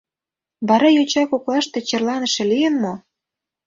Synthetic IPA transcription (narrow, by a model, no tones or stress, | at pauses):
βɑɾɑjot͡ɕɑkoklɑʃt̪e̽t͡ɕĕrlɑnə̆ʃĕlijənmo